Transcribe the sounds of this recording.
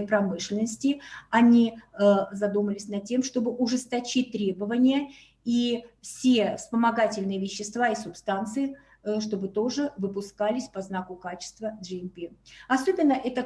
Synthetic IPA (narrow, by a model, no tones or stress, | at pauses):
pɾɐmɨʂlʲɪnəsʲtʲɪɐnʲi | zɐd̪uməlʲɪsʲnɐtʲːe̞mʂt̪o̞bɨʔʊʐɨst̪ɐt͡ɕit̚ʲt̪ɾʲe̞bəvənʲɪjə | ifsʲefspəmɐɡatʲɪlʲnɨjəvʲɪɕːɪst̪vaisʊpst̪ant̪sɨɪ | ʂt̪o̞bɨt̪o̞ʐɨvɨpʊskalʲɪsʲpɐznakʊkat͡ɕɪ̥st̪vədʐɨɪmpʲiɐso̞bʲɪnːəʔɛt̪ə